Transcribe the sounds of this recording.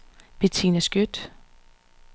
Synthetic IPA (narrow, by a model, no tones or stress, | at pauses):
b̥et͡sʰḭnæsɡ̥jød̥